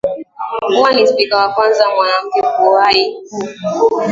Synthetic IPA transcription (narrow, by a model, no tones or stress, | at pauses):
huwanispikawakwanzamwanam̩kɛkuwai